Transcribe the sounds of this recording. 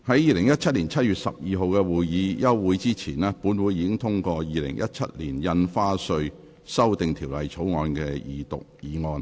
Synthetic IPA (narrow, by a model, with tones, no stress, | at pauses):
hɐ˨˥jiː˨˧lɪ˨˩ŋjɐ˥t̚t͡ʃʰɐ˥t̚liː˨˩nt͡sʰɐ˥t̚jyː˨t̚sɐ̰˨p̚jiː˨˧ɦo˨˧wkɛː˧wuː˨jjiː˨˧jɐ˥wːuː˨˧jt͡siː˥t͡sʰiː˨˩nɛː˥puː˨˥nwuː˨˧jiː˨˧kɪ˥ŋt̪ʰʊ˥ŋkʷɔː˧jiː˨˧lɪ̰˨˩ŋjʔɐ̰˦˥t̚t͡ʃʰɐ̰˥t̚liː˨˩njɐ˧nfaː˥sɵ˧ɥ | sɐ˥wt̪ɪ˨ŋt̪ʰiː˨˩wlɐ˨jt͡sʰo˨˥wŋɔː˧nkɛː˧jiː˨t̪ʊ̰˨k̚jiː˨˧ŋɔː˧n